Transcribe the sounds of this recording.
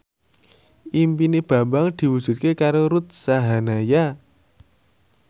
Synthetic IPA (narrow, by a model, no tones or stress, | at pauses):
impineb̥ä̤mbaŋd̪̥i̤wud̥ʒ̥ṳt̪̚kekaɾoɾut̪̚saɦanaja